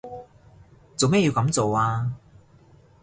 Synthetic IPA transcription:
t͡so˨wme˥jːi˧wkɐ˨˥mt͡so˨waː˧

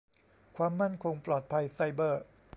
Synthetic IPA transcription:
kʰwaː˧mːa˥˩nkʰo˧ŋplɔː˨˩t̪̚pʰa˧jsa˧jbɤː˥˩

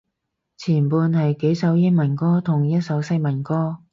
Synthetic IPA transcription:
t͡sʰiː˨˩npuː˧nhɐ˨jke˨˥jsɐ˨˥wjɪ˥ŋ̚mɐ˨˩nkɔː˥t̪ʰʊ˨˩ŋjɐ˥t̚sɐ˨˥wsɐ˥jmɐ˨˩nkɔː˥

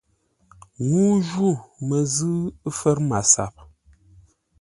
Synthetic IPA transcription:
ŋuː˦ʒu˦˨mə˨zɨ˦fə˦ɾma˨sa̰˨p̚

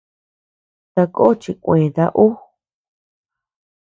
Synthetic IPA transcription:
t̪a˧ko˦o˦t͡ʃi˧kʷẽ˨ða˧ʔu˦

